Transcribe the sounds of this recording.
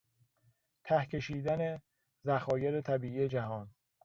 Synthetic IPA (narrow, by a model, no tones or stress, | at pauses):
t̪ʰæhcʰe̞ʃiːd̪æne̞ | zæxɒːjeɾet̪ʰæbiːijed͡ʒæhɒːn